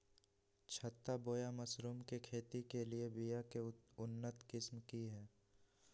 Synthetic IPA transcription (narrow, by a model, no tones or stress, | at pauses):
t͡ʃʰɐt̪ːaboːjamɐsɾuːmkekʰeːt̪ikeliebijakeʊnːət̪kɪsmkiɦɛː